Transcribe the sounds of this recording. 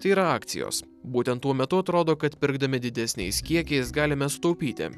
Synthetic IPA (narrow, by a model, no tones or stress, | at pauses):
t̪ɐɪiɾɐɑːkt̪sʲɪ̰jo̰ːs | buːt̪ʲɛnt̪ːuɔmʲɛt̪ʊɐt̪ɾoːd̪oːkɐt̪pʲɪɾɡd̪ɐmʲɪd̪ʲɪd̪ʲɛsʲnʲɛ̰ɪskʲiɛkʲɛɪsɡɑːlʲɪmʲɛsʊt̪ɐʊpʲiːt̪ʲɪ̰